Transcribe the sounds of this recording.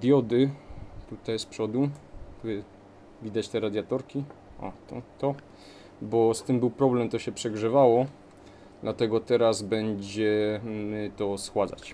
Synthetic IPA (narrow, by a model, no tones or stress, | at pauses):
d̪ʲjɔd̪ɘt̪ut̪ajspʂɔd̪ut̪uɛ | vʲid̪at͡ɕt̪ɛɾad̪ʲjat̪ɔɾkʲi | ʔa̰t̪ɔ̰t̪ɔ | bɔst̪ɘmbɘwpɾɔblɛmt̪ɔɕɛpʂɛɡʐɘvawɔ | d̪lat̪ɛɡɔt̪ɛɾazbɛɲd͡ʑɛmɘt̪ɔsxwad̪za̰t͡ɕ